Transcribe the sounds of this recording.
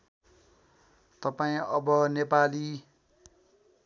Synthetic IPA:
t̪ʌpaĩʌbʌnepali

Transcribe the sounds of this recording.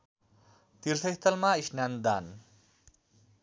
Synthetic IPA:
t̪iɾsʌjst̪əlmaisnjand̪an

